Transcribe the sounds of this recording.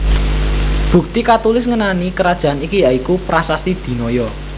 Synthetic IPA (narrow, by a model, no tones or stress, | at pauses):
b̥ṳk̚t̪ikat̪ulɪsŋənanikəɾad̥ʒ̥a̤anikijaikupɾasast̪id̪̥i̤nɔjɔ